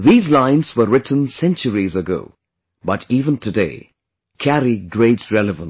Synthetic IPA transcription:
ðiːzlãɪ̃nz̥wəɹɪtn̩sɛ̃nt͡ʃəɹizəɡo̰ʊ | bʌtʰiːvə̃ntʰɨdḛɪ | kʰæɾiɡɹeɪtɹɛlɨvə̃n

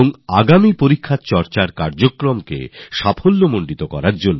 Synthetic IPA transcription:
oŋaɡamipoɾikʰːat͡ɕɔɾt͡ɕaɾkaɾd͡ʑokɾomkḛʃapʰolːomoɳɖit̪okɔ̰ɾaɾd͡ʑonːo

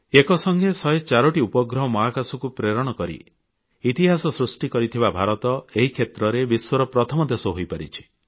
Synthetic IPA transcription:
ekɔsɔŋɡʱesɔjt͡ʃaɾɔʈiupɔɡɾɔɦɔmɔɦakasɔkupɾeɾɔɽ̃ɔkɔɾḭː | t̪iɦasɔsɾusʈikɔɾit̪ʰibabʱaɾɔt̪ɔeɦikʰet̪ɾɔɾebiswɔɾɔpɾɔt̪ʰɔmɔd̪esɔɦojpaɾit͡ʃʰi̥

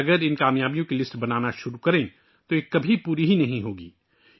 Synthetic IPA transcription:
ɐɡəɾɪnkaːmjaːbijõkilɪsʈbɐnaːnaʃʊɾukɐɾẽː | t̪oekɐbʱipuːɾiɦinɐɦĩɦoːɡḭː

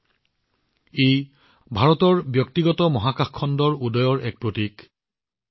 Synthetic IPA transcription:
ej | bʱaɹɔtɔɹbjɔk̚tiɡɔtɔmɔɦakaxkʰːɔndɔɹudɔjɔɹʔɛk̚pɹotik

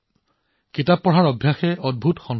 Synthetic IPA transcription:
kitapːɔɦaɹɔbʱjaxɛʔɔd̚bʱutxɔn

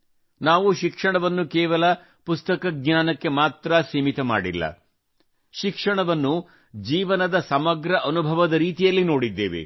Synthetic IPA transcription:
naːʋuʃikʂɐɳɐʋɐnːukɛːʋɐlɐ | pust̪ɐkɐɡnaːnɐkːe̞maːt̪ɾɐsiːmit̪ɐma̰ːɽḭlːɐ̰ | ʃikʂɐɳɐʋɐnːu | d͡ʒiːʋɐnɐd̪ɐsɐmɐɡɾɐʔɐnubʱɐʋɐd̪ɐɾiːt̪ijɐlːino̞ːɽid̪ːḛːʋḛ

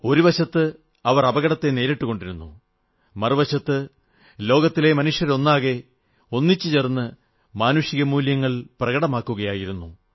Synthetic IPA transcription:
o̞ɾuʋɐɕɐt̪ːɨ | ɐʋɐrɐbɐɣɐɽɐt̪ːe̞ne̞ːɾeʈːuɣo̞ɳɖiɾunːu | mɐrɨʋɐɕɐt̪ːɨ | lo̞ːɡɐt̪ːile̞mɐnuʂjɐɾo̞nːaːɣe̞ | o̞nːit͡ɕːɨt͡ɕe̞rnːɨ | maːnuʂiɣɐmuːljɐŋːɐɭprɐɣɐɽɐmaːkːuɣɐjaːjiɾunːu

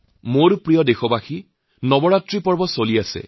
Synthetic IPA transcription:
moɹpɹijɔdexɔbaxi | nɔbɔɹatɹipɔɹbɔsoliasɛ̰

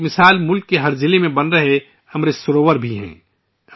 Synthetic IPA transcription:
mɪsaːlmʊlkːeɦɐɾzɪlemẽbɐnɾɐɦe | ɐmɾɪsʊɾoːʋəɾbʱiɦɛ̰̃ː

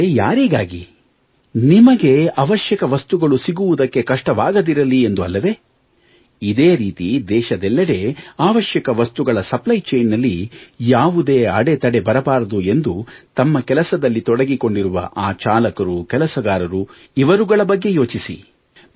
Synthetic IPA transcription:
ejaːɾiːɡaːɡḭ | nimɐɡe̞ɐʋɐʃjɐkɐʋɐst̪uɡɐɭusiɡuʋud̪ɐkːe̞kɐʂʈɐʋaːɡɐd̪iɾɐlie̞nd̪uɐlːɐʋe̞ː | id̪eːɾiːt̪id̪ɛːʃɐd̪ɛlːɐɾe̞ːaːʋɐʃjɐkɐʋɐst̪uɡɐɭɐsɐplɐjt͡ʃejnːɐlːijaːʋud̪e̞ːɐɽe̞t̪ɐɽe̞bɐɾɐbaːɾɐd̪ue̞nd̪ut̪ɐmːɐkɛlɐsɐd̪ɐlːit̪ɔɽɐɡiko̞ɳɖiɾuʋɐ̰ʔaːt͡ʃaːlɐkɐɾukɛlɐsɐɡaːɾɐɾu | iʋɐɾuɡɐɭɐbɐɡːe̞jo̞ːt͡ʃisḭ

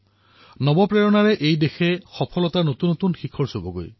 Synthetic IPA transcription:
nɔbɔpɹeɹɔnaɹɛʔejdexʰɛxɔpʰɔlɔtaɹnot̪unːot̪unxikʰɔɹsobɔɡo̰j

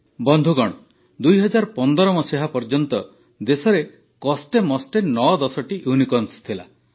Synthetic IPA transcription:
bɔnd̪ʱuɡɔɽ̃ɔ | d̪ujɦɔd͡ʒaɾpɔnd̪ɔɾɔmɔsiɦapɔɾd͡ʒɔnt̪ɔ | d̪esɔɾe | kɔsʈemɔsʈenːɔd̪ɔsɔʈiʔjunikɔnst̪ʰila̰

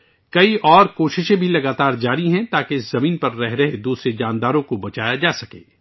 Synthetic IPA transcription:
kɐiʔɔːɾkoːʃɪʃẽbʱilɐɡaːt̪aːɾd͡ʒaːɾiɦɛ̃t̪aːkeɪszɐmiːnpɐɾːɛɦɾɐɦed̪uːsɾed͡ʒãːnd̪aːɾõkobɐt͡ʃaːjad͡ʒaːsɐkḛː

